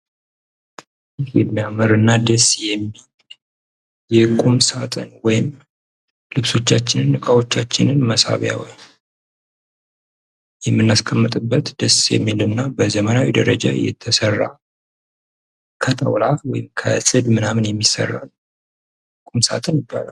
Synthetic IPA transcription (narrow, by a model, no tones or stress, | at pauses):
ɪhjɛ̰mmijaməɾɨnːad̪əsjɛmːil | jɛkʼumsat̪ʼɨnwɔjɪm | lɨβso̞t͡ʃːat͡ʃːɪnɨnːɨkʼawo̞t͡ʃːat͡ʃːɪnɨnməsa̰βja̰wɔ̰j | jɛmːɨnːaskʰəmːɨt̪ʼɨbːət̪d̪̥əsjɛ̰mːilɨnːabəzəmənawid̪əɾəd͡ʒa̰jɛ̰t̪ʰːəsərːa̰ | kʰət̪ʼʰə̰wlawɔjɪmkʰə̰sʼɨd̪mɨnamɨnjɛmːisə̰rːa̰l | kʼumsa̰t̪ʼənjɪbːa̰la